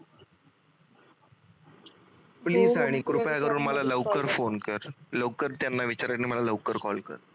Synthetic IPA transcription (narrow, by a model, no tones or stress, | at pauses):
pliːzaɽ̃ikɾupjakəɾuːɳməlaləʋkəɾfonkəɾləwkəɾt̪janːaʋit͡ɕaɾəʈniməlaləʋkəɾkɔlkə̰ɾ